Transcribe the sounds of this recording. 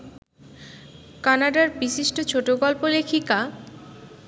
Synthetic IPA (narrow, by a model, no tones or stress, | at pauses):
kanaɖaɾbiʃiʃʈot͡ɕʰoʈoɡɔlpolekʰika